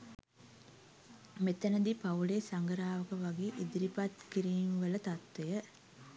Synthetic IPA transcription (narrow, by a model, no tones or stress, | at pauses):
met̪ɐnəd̪ipɐuleːsɐŋɡəɾaːʋəkəʋɐɡeːʔid̪iɾipat̪kiɾiːmʋələt̪at̪ʋejə